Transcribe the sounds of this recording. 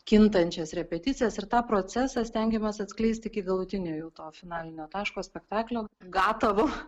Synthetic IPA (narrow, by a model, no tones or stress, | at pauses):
kʲɪnt̪ɐnʲt͡ʃʲɛsɾʲɛpʲɛt̪ʲɪtt͡s̪ʲɪjɛsɪɾt̪ɑːpɾoːt͡s̪ʲæsɑsʲt̪ʲɛŋʲɡʲɛmɐsɐt̪sʲklʲɛɪsʲt̪ʲɪkʲɪɡɐlˠʊt̪ʲɪnʲoːjuːt̪oːfʲɪnɑːlʲɪnʲoːt̪ɑːʃkoːsʲpʲɛkt̪ɑːklʲoːɡɑːt̪ɐʋoː